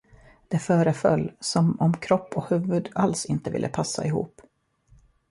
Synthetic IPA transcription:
d̪̥ɛfœːɾəfœlːsɔmɔmkʰɾɔpːɔhʉ̟ːvɵd̪alsɪnt̪əvɪ̰lːə̰pʰasːa̰ɪhṵːp

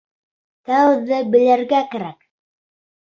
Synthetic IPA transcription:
t̪æwðɘbɘ̆læɾɡækæɾæk

